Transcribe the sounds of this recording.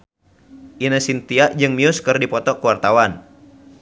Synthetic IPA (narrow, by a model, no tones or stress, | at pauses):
ʔinəsint̪iaʔd͡ʒɨŋmiʊskərdipɔt̪ɔkuwart̪awan